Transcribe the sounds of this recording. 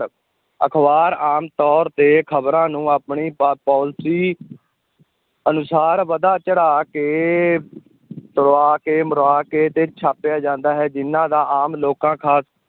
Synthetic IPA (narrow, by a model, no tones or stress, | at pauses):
ə̰kʰbaːɾaːmt̪ɔːɾt̪eːkʰəbɾãːnũːaːpɳiːpɔːlsiː | ənʊsaːɾʋəd̪aːt͡ʃəɽaːkeː | t̪əɾoaːkeːməɾaːkeːt̪eːt͡ʃʰaːpɪjaːd͡ʒãːnd̪aːɦɛːd͡ʒɪnːãːd̪aːʔaːmloːkãːkʰaːs